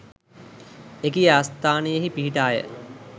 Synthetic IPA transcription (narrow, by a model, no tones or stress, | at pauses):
ekijaːst̪aːnejeɦipiɦiʈaːjə̰